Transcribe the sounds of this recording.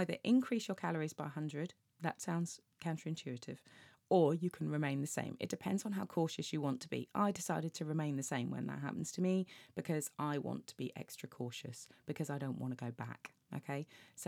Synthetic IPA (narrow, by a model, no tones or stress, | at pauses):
ɪðə̰ɹʔɪ̃nkʰɹ̥iˑsjəkʰalˠəɹizbaɪɦʌ̃ndɹəd | ðətsãʊ̃ndz̥ | kʰãʊ̃ntʰɹɪ̃nt͡ʃʰʉətʰɪ̰v̥ | əjəkʰə̃nɹɪmẽɪ̃nðəsḛ̃ɪ̃mɪ̰ʔ̚d̥ɪpʰɛ̃ndz̥n̩ɦaʊkʰɔˑʃɨsjəwɒ̃ntʰəbḭʔa̰ɪdɪsaɪɾɪd̚tʰəɹɪmẽɪ̃nðəsẽɪ̃mwə̰̃nðə̰ʔ̚ɦa̰pən̩z̥tʰəmib̥ɪkʰɒzaɪwɒ̰̃ntʰə̥b̥ḭʔɛ̰kstɹ̥əkʰɔˑʃə̰sb̥ɪkʰʌzaɪɾə̃ʊ̃nʔwɒ̰̃ñtəɡəʊba̰k | o̰ʊkʰeɪs